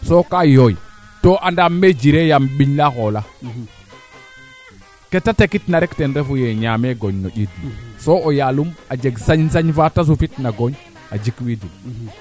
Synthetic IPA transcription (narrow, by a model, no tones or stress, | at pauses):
sokajoji | toʔandamːed͡ʒiɾejamɓiɲlaxola | ketatekitnaɾektenɾefujeɲameɡoɲnoʄidusoojalumad͡ʒeɡsaɲsaɲfatas̬ufitnaɡoɲ | ad͡ʒikwidim